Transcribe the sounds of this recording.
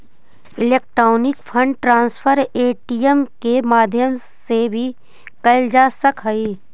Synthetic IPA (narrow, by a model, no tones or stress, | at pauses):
ɪleːk̚ʈɾoːnɪkfʰə̃ɳɖʈɾãːnspʰəɾeːʈiːjəmkemaːd̪ʱjəm | sebʱi | kɐld͡ʒaːsəkɦɐiː